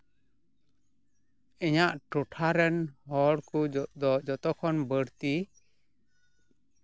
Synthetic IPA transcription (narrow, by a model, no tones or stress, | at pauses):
ɛɲaʔʈuʈʰaɾɛnhɔɽkud͡ʒɔd̪ɔd͡ʒɔt̪ɔkʰɔnbəɽt̪i